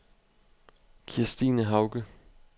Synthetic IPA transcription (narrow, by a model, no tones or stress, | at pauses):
kʰiɐsd̥iːnəɦɑ̈ʊɡ̥ə